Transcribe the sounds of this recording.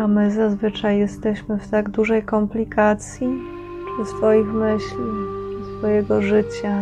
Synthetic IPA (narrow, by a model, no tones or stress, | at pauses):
amɘzazvɘt͡ʂajːɛst̪ɛɕmɘft̪aɡd̪uʐɛjkɔmplʲikat̪sʲji | t͡ʂɨsfɔjixmɘɕlʲisfɔjɛɡɔʐɘt͡ɕa